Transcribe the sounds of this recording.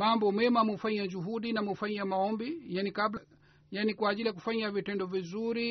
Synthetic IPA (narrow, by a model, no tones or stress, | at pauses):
mambɔmɛmamufaɲiad͡ʒuɦuɗinamufaɲiamaɔmbijanikabla | janikwaːʄilijak̬ufaɲavitɛndɔvizuɾi